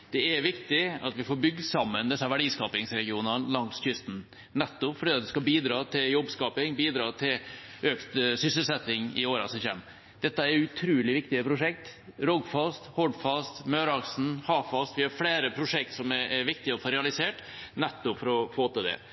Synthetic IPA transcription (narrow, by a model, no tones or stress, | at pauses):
d̪̥ɛɛɾʋɪkt̪ɪɑ̰t̪ʋɪfoːɾbʏɡːəsɑmːənd̪ɪsəʋæɖiːskɑːpɪŋsɾɛɡɪuːnɑnlɑŋsçʏst̪n | nɛt̪ːʊpfɔɖiːɑt̪̚d̪ɛskɑbiːd̪ɾɑːt̪ʰɪljɔbskɑːpɪŋbiːd̪ɾɑːt̪ʰɪlʔøːkt̪sʏsəlsɛt̪ːɪŋɪ̰oːɾɑ̰sɔçɛ̰m | d̪̥ɛt̪ːəæɾʉt̪ʰɾʉːlɪʋɪkt̪ɪəpʰɾʊʂɛk̚t̪ɾɔɡfɑst̪hɔɖfɑst̪møːɾɑksn̩hɑːfɑst̪ʋɪhɑɾfɽeːɾəpʰɾʊʂɛk̚t̪sɔmɛɛɾʋɪk̚t̪ɪɔfoːɾɛɑlɪseːʈ | nɛt̪ːʊpfɔɾɔfoːt̪ɑd̪ɛ̰